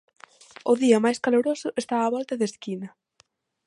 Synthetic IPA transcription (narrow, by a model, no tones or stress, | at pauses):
ʊðiɐmajskaloɾosʊʔest̪aːβɔlt̪ɐðeskinɐ